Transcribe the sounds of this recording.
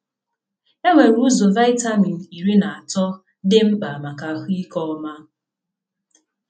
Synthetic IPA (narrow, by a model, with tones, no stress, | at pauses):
e˦ŋʷe˨ɾu˦zo˨va˦ɪ˦ta˦mi˨n̩˨i˨ɾi˦na˨a˨tɔ˦ | dɪ˦m̩˦k͡pa˨ma˨ka˨ɦi˦kɔ˦ɔ˦ma˦